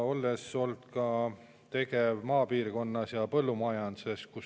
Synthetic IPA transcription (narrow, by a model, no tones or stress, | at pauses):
o̞lːe̞so̞ld̪̥kɑ | t̪e̞kevmɑːpiːrko̞nːɑsjɑpɤlːumɑjɑnd̪se̞skus